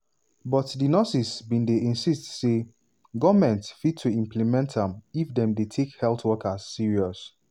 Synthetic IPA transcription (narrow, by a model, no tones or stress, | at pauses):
bɔtdinɔsisbĩndeʔĩnsistse | ɡɔvmɛ̃ntfid̚tʰːuĩmplimɛ̃ntdɛ̃mifdɛ̃mdetʰekhɛltwɔkaz̥ːiɹiɔs